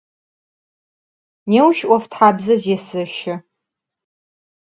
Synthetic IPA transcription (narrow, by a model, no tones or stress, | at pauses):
neːwʃʔʷɔftʰħaːbzɐzeɛsɨʃɪ